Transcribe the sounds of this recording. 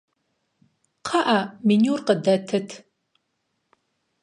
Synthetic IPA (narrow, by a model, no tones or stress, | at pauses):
qʰaʔaminurqədɐtʰɨtʰ